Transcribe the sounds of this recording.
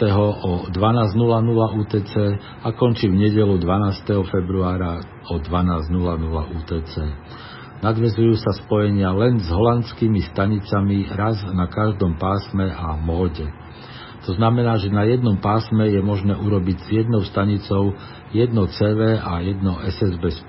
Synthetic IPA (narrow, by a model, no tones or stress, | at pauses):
t̪ɛɦɔʔɔd̪ʋanaːznulanulauːt̪ɛːt͡sɛː | akɔnt͡ʃivɲɛɟɛlud̪ʋanaːst̪ɛɦɔfɛbɾuaːɾa | ɔd̪ʋanaːzɟnulanula̰ʔuːt̪ɛːt͡sɛː | nad̪ʋɛzujuːsaspɔjɛɲɪalɛnzɦɔlant͡skiːmist̪aɲit͡samiɾaznakaʒd̪ɔmpaːsmɛʔamɔːɟɛ | t̪ɔznamɛnaːʒɛnajɛd̪nɔmpaːsmɛjɛmɔʒnɛːʔuɾɔbiɟz̥ɪjɛd̪nɔʊst̪aɲit͡sɔʊ | jɛd̪nɔt͡sɛːʋɛːajɛd̪nɔʔɛsɛzbɛs